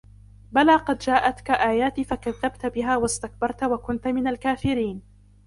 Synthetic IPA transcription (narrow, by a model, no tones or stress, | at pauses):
balaːqɑd̪d͡ʒaːʔat̪kaʔaːjaːt̪iːfakaðːab̚t̪bɪɦaːwast̪ak̚bɑɾˤt̪wakʊnt̪mɪnalkaːfɪɾiːn